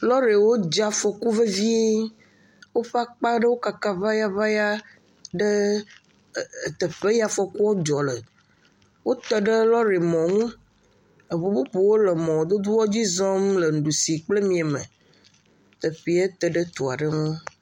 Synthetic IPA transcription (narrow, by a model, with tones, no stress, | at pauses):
lɔ˦ɾe˨wo˦d͡ʒa˨fɔ˨ku˦və˦vi˦ | wo˦ɸa˦k͡pa˦ɖə˦wo˦ka˨ka˦va˦ja˦va˦ja˦ | ɖə˦˨ | t̪ə˨ɸe˦ja˨fɔ˨ku˦wo˦d͡ʒɔ˨lə˨ | wo˦t̪ə˦ɖə˦lɔ˦ɾe˨mɔ̃˨ŋũ˦ | e˨bu˨bu˦pu˨wo˦lə˨mɔ̃˨d̪o˦d̪u˦wɔ˦d͡ʑi˦zɔ˦mlə˨ŋ̩˨ɖu˨si˨k͡ple˦mĩ˨e˨mə̰̃˨ | t̪ə˨ɸi˨˦e˦t̪ə˨ɖə˦t̪o˨a˨ɖə˦ŋũ˦